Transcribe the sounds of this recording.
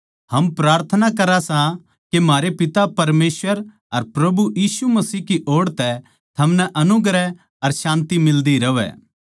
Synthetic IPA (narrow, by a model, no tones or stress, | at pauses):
hɐmpɾaːɾt̪ʰənakɐɾasã | kemaːɾepɪt̪apɐɾmeːsʋəɾ | ɐɾpɾɐbujiːsumɐsiːɦkiʔoːɽt̪ɛ | t̪ʰɐmnɛʔɐnʊɡɾɛ | ɐɾʃãːnt̪imɪld̪iɾɐʋɛ̰ː